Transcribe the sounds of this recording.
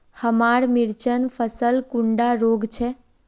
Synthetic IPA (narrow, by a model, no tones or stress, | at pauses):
həmaɾmiɾt͡ʃənpʰəsəlkuɳɖaɾoɡt͡ʃʰɛ